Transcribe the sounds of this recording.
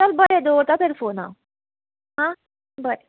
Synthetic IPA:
t̪albəɽed̪oɾt̪at̪eɾfona̰ | ɦã | bəɾe

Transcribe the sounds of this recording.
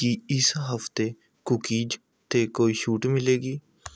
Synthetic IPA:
kiːɪsɦəft̪eː | kʊkiːd͡ʒ | t̪eːkoːiːʃuːʈmɪleːɡiː

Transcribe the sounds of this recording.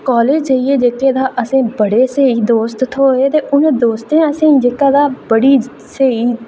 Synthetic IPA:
kɔːleːd͡ʒd͡ʒeieːd͡ʒeːkːeːd̪aːʔəsẽːbəɽeːseːiːd̪oːst̪t̪ʰoːeːt̪eːʔʊnːd̪oːst̪ẽːəsĩːd͡ʒeːkãːd̪aːbəɽiː | seːiː

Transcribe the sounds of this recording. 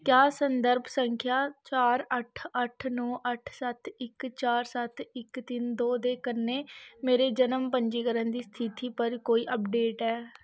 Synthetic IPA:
kjaːsənd̪əɾbsəŋkʰjaːt͡ʃaːɾəʈʰəʈʰnɔːʔəʈʰsət̪ʰɪkt͡ʃaːɾsət̪ʰɪkt̪ɪnd̪oːd̪eːkənːeːmeːɾeːd͡ʒənəmpəɲd͡ʒiːkəɾənd̪iːst̪ʰɪt̪iːpəɾkoːiːʔəpɖeːʈɛː

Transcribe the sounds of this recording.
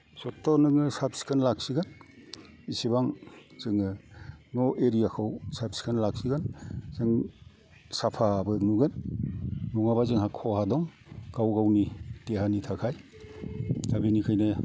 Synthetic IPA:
sɔtːɔnɯŋɯsapsi̥kʰɯnlak̚siɡan | isibaŋz̥ɯŋɯnɔʔeɾijakʰawsapsi̥kʰɯnlak̚siɡanz̥ɯŋ | sapʰabɯnuɡɯnː | uŋabazɯŋɦakʰɔhadɔŋ | ɡawɡawniteɦanitʰakʰaj | dabinikʰajnaja

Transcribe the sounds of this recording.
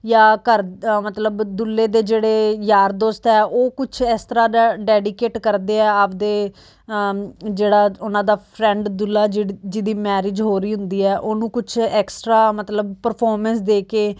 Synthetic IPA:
jaːkəɾmət̪ləbd̪ʊlːeːd̪eːd͡ʒeːɽeːjaːɾd̪oːst̪ɛːʔoːkʊt͡ʃʰɛkst̪əɾaːɖɛːɖɪkeːʈkəɾd̪eːɛːəpd̪eː | d͡ʒeːɽaːʊnãːd̪aːpʰɾɛ̃ːɳɖd̪ʊlːaːd͡ʒd͡ʒɪd̪iːmɛːɾɪd͡ʒɦoːɾiːɦʊnd̪iːɛːʔoːnũːkʊt͡ʃʰɛːksʈɾaːmət̪ləbpəɾpʰɔːɾmɛ̃nsd̪eːkeː

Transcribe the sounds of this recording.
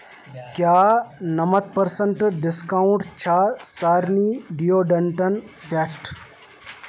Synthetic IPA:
kjaːnɐmɐt̪̚pəɾsəɳʈɖiskaũɳʈt͡ɕʰaːsaːɾniɖijoɖɐɳʈɐnpaʈʰ

